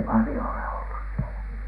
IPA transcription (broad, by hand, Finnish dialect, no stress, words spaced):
pɑlĭjo ole olːus sielæ